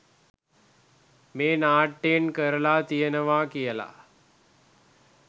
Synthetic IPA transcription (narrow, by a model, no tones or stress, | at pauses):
meːnaːʈːenkəɾəlaːt̪ijənəʋaːkijəla̰